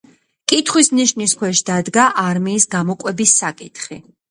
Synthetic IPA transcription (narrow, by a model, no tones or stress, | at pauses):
kʼit̪ʰχwisniʃniskʰwɛʃd̪ad̪ɡaʔaɾmiːsɡamɔkʼwɛbisːakʼit̪ʰχi